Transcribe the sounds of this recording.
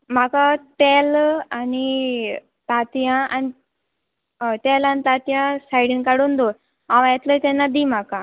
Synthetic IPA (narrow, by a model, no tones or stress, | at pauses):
m̤akaʈɛlani | t̪at̪ijãʔani | ʈelanit̪at̪ijãsajɽinkaɽond̪o | ãʋjɛt̪ləjt̪ɛnːad̪im̤akã